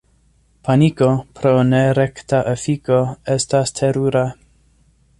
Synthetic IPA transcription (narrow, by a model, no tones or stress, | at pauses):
pʰaniko̞pɾo̞neɾektaʔefiko̞estastʰeɾuɾa